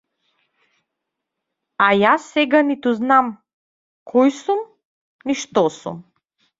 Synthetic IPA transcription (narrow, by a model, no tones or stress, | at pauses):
ajasːɛɡanit̪uznam | kʰɔjsum | niʃt̪ɔsṵm